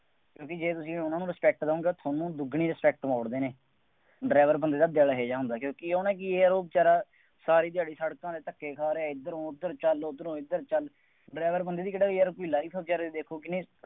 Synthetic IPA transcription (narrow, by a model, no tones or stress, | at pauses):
kjõːkid͡ʒeːt̪ʊsĩːʊnãːnũːɾəspɛːk̚ʈd̪õːɡeːt̪ʰaːnũːd̪ʊɡʱɳiːɾɪspɛːk̚ʈmaːɽd̪eːneː | ɖɾɛːʋəɾbənd̪eːd̪aːd̪jaːlaːɦeːd͡ʒaːɦʊ̃nd̪aːkjõːkioːnɛ̃ːk̬ɪeːəɾoːb̚t͡ʃaːɾaː | saːɾiːt̪̬ɪjaːɖiːsəɽkãːd̪eːt̪əkːeːkʰaːɾeɛːɪd̪əɾõːɪd̪əɾt͡ʃəlʊd̪əɾõːɪd̪əɾt͡ʃəl | ɖɾɛːʋəɾbənd̪eːd̪iːkəɽaːɡɾkoiːlaːip̪ʰoːb̚t͡ʃaːɾaːd̪iːd̪eːkʰoːkɪnĩː